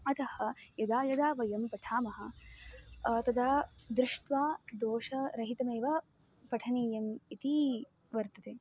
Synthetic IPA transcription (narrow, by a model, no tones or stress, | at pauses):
ɐt̪ɐhɐ̆jɐd̪aːjɐd̪aːʋɐjɐmpɐʈʰaːmɐɦɐ̆ | t̪ɐd̪aːd̪ɾɪʂʈʋaːd̪oːʃɐɾɐɦit̪ɐmeːʋɐ | pɐʈʰɐniːjɐmit̪i | ʋɐɾt̪ɐt̪eː